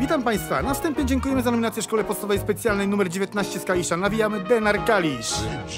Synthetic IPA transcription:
vʲit̪ampaj̃st̪fa̰nafst̪ɛmpɲɛd͡ʑɛŋkujɛmɘzanɔmʲinat̪sjɛʂkɔlɛpɔt̪st̪avɛjspɛt̪sʲjalnɛjnumɛɾd͡ʑevʲjɛt̪naɕt͡ɕɛskalʲiʂanavʲijamɘd̪ɛnaɾɡalʲiʂ

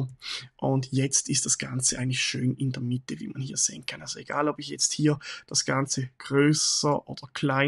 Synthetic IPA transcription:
ʔʊndjɛt͡stɪstd̥asɡ̥ant͡səʔaɪən̩tlɪçʃøːnɪndeːɐmɪtəvḭːmanhiːɐz̥ḛːənkʰanʔalsoeɡ̥a̰ːlɔbɪçjɛt͡sthiːɐd̥asɡ̥ant͡səɡ̥ʁøːsəʔoːd̥ɐkʰlaɪ

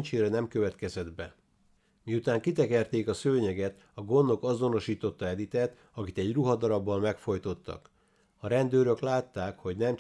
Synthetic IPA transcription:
t͡ʃeːɾɛnɛmkøvɛt̪kɛzɛd̪bɛ | miut̪aːŋkit̪ɛkɛrt̪eːkɒsøːɲɛɡɛt̪ | ɒɡo̞nːo̞kɒzo̞no̞ʃiːt̪o̞t̪ːɒɛd̪it̪ɛt̪ | ɒkit̪ɛɟruɦɒd̪ɒɾɒbːɒmmɛkfo̞jt̪o̞t̪ːɒ̰k | ɒɾɛnd̪øːɾøklaːt̪ːaːkho̞ɟnɛm

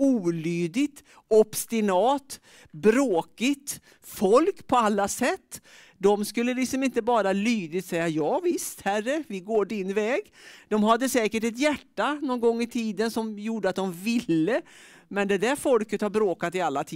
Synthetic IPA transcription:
uːlyːd̪ɪt̪ | ɔbst̪ɪnɑːt̪ | bɾoːkɪt̪ | fɔlkpʰɔalːasɛt̪ː | d̪ɔmskɵlːəlɪksɔmɪnt̪əbɑːɾalyːd̪ɪt̪sɛjːajɑːvɪst̪hærəvɪɡoːɖɪnvɛːɡd̪̥ɔmɦad̪ːəsɛːkəʈɛt̪̬jæʈːanɔnɡɔŋːɪt̪ʰiːd̪ənsɔmjuːɖəat̪̚d̪ɔmvɪlːə | mɛnd̪ɛd̪æɾfɔlkət̪haɾbɾoːkat̪ɪalːat̪ʰiː

